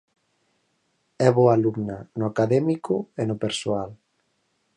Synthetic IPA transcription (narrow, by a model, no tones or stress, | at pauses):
ɛβoaluɡnanoakaðɛmikoenopeɾsoal